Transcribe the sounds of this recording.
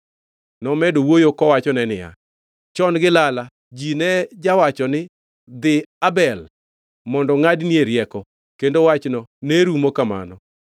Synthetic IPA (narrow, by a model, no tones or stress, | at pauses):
nɔmɛdowojokɔwat͡ʃɔnɛnɪja̰ | t͡ʃɔnɡɪlala | d͡ʒinɛd͡ʒawat͡ʃɔnɪ | d̪ɪabɛl | mɔndɔŋadnieɾjɛkɔ | kendowat͡ʃnɔneɾumokama̰nɔ